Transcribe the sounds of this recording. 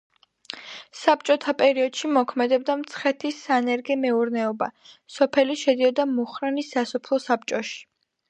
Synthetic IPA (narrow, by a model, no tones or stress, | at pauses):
sap̚t͡ʃʼɔt̪ʰapʼɛɾiɔd̪̥ʃimɔkʰmɛd̪ɛb̚d̪amt̪sʰχɛt̪ʰisːanɛɾɡɛmɛuɾnɛɔba̰ | sɔpʰɛliʃɛd̪iɔd̪amuχɾɛnisasɔpʰlˠɔsap̚t͡ʃʼɔʃi̥